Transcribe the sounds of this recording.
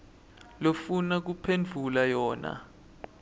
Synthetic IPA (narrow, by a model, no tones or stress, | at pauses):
lofunak̬upʰend͡ɮʱulajɔːna̰